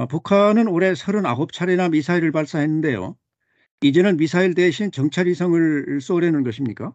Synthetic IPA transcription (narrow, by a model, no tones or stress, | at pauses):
pukʰanɯnoɾe̞sʰʌɾɯna̰ɦop̚t͡ɕʰaɾenamisʰaiɾɯɭpaɭs͈aɦe̞nːɯnde̞jo̰ | id͡ʑe̞nɯnmisʰaiɭdeɕʰint͡ɕʌŋt͡ɕʰaɾisʰʌŋɯɭs͈oɾjʌnɯnɡʌɕʰimɲik͈a